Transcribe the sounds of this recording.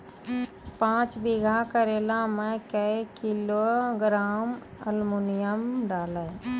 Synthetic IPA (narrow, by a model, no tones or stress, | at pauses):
pãːt͡ʃbiɡʱakəɾelamekəekiloɡɾaːməlmunijəmɖaːlə